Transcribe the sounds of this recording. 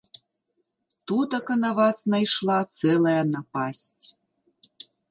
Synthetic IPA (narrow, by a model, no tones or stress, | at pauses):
t̪ud̪ɤ̆kə̆nɑβɑsnɑjʃlɑt͡selejɑnɑpɑsʲtʲ